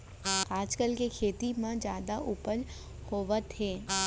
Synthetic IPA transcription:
aːd͡ʒkəlkekʰeːt̪imãd͡ʒjaːd̪aʔupəl | hoːʋət̪ɦeː

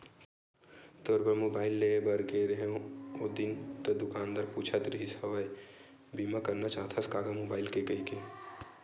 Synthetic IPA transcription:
t̪oːɾbəmoːbaːɪlːeebəɾkeɾeɦeõod̪int̪ɐd̪ʊkaːnd̪əɾpuːt͡ʃʰət̪ɾəɦisɐʋəj | bimakəɾnat͡ʃaːt̪ʰaskaːɡamoːbaːɪlkekɐike

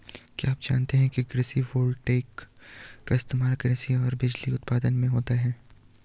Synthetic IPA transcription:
kiaːpd͡ʒa̰ːnt̪eɦɛ̃kiɡɾɪsiʋoːlɖʈeːkː | aɪst̪eːmaːlɡɾɪsiɔːɾbɪd͡ʒliʊt̪paːd̪ənmẽɦoːt̪aɦɛː

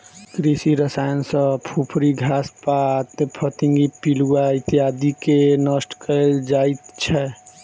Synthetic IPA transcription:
kɾisiɾəsajənsə̃pʰupʰɾiɡʱaspat̪pʰət̪ĩŋɡipiluait̪ijad̪ikenəsʈkəeld͡ʒait̪t͡ʃʰɛ

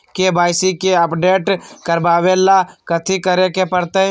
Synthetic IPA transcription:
kebaːɪsikeəpɖeːʈkəɾbaːʋelakət̪ʰikəɾekepəɾt̪e

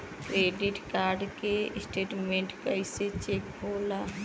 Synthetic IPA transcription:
kɾeɖiʈkaɾɖkesʈeːʈmeɳʈkəɪset͡ʃek̚bʱola

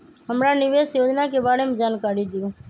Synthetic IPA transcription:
ɦəmɾaːnɪʋeːsjoːd͡ʒnaːkebaːɽeːmd͡ʒaːnkaːɾjĩːd̪ijũː

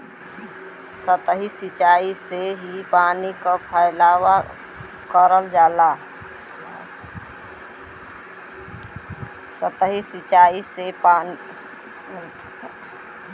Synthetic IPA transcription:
sət̪ɦisit͡ʃaːiseɦipaːnikapʰəɪlaːwa | kəɾəld͡ʒaːla | sət̪əɦisit͡ʃaːisepani | t̪

